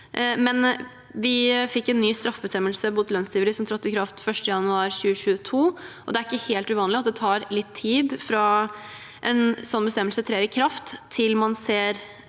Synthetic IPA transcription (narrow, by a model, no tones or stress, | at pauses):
ʔmɛn | ʋɪfɪkːɛnːyːst̪ɾɑfbəst̪ɛmːəlsəbuːt̪lœnst̪ʰiːʋəɾəsɔmt̪ʰɾɑt̪ːɪkʰɾɑft̪fœʂʈəjɑnʉɑːɾɕʉːəɕʉːət̪ʰuːʔɔd̪ɛæɾɪkːəheːlt̪ʉʋɑːnlɪɑt̪̚d̪ɛt̪ʰɑːɾlɪt̪ʰːiːd̪fɾɑ | ʔɛnsɔnːbəst̪ɛməlsət̪ʰɾeːɾɪkʰɾɑft̪ʰːɪlmɑnseːɾ